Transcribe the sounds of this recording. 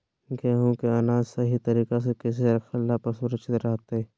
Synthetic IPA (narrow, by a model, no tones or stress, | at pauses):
ɡeːɦũkeɐnaːd͡ʒsɐɦit̪ɐɾiːkas̬ekɪs̬eɐɾkʰəlːapɐsʊɾət͡ʃɪt̪ɾɐɦt̪ɛː